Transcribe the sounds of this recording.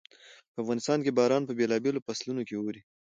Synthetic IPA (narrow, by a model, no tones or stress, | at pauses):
pəafɣɑnɪst̪ɑnkebɑɾɑnpəbelɑbelopaslunokewoɾi